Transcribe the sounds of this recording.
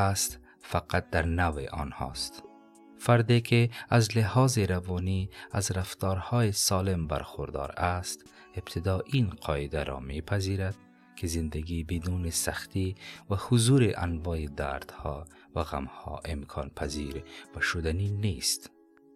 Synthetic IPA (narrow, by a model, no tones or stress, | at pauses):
ast̪ | faqat̪̚d̪aɾnawḛʔɔ̰nhɔ̰st̪ | faɾd̪ekʰɪazlɪhɒːzeɾavɔnia̰zɾaft̪ɔːɾhɔːjesɔːlɪmba̰ɾxʊɾd̪ɒ̰ɾast̪ | ɪbt̪ʰɪd̪ɔːʔinqʰɒɪd̪aɾʔɔ̰mepʰaziɾad̪ | kʰɪzɪnd̪aɡibid̪unesaxt̪ivahʊzuːɾeʔa̰nvɔːjid̪a̰ɾd̪̥hɔ | vaɣa̰mhɔ̰ʔɪmkʰɔnpʰaziɾvaʃʊd̪anineːst̪